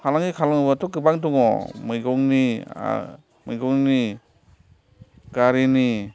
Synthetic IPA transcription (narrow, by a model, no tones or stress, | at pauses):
kʰalaŋikʰalaŋbatɔkɯbaŋdɔŋɔ̰mɯjɡɔŋnḭ | majɡɔŋni | ɡaɾini